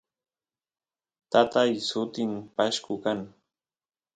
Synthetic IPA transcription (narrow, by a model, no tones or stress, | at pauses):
t̪at̪ajsʊt̪ɪmpaʃkʊkaŋ